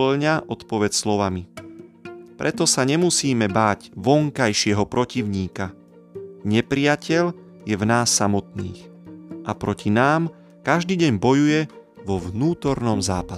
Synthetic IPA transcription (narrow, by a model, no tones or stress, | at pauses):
lɲaʔɔt̪pɔʋɛt͡sslɔʋami | pɾʔɛt̪ɔsaɲɛmusiːmɛbaːɟʋɔŋkajʃɪɛɦɔpɾɔciʊɲiːka | ɲɛpɾɪacʰɛʎ | jɛvnaːsːamɔt̪̚nḭːxʔapɾɔcʰinaːm | kaʒd̪iːɟɛɲbɔjujɛʋɔʋnuːt̪ɔɾnɔmzaːpas